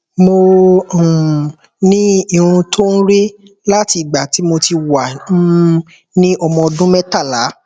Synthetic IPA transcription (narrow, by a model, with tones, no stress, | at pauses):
mo˧˨ | nĩ˦ĩ˦˧ũ˧tʰo˦n̩˦ɾe˦ | la˦ti˧˨ɡ͡ba˨ti˨˦mo˧ti˧wa˨˦ | nĩ˦ɔ˧mɔ̃˧ɔ˧dũ˦mɛ̃˦ta˦˨la˨˦